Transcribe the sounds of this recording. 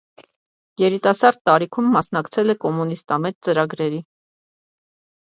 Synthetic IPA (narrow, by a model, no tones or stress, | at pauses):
jɛɾit̪ɑsɑɾd̪̚t̪ɑɾikʰumːɑsnɑkt͡sʰɛlɛkɔmunist̪ɑmɛt̪t͡səɾɑɡɾɛɾi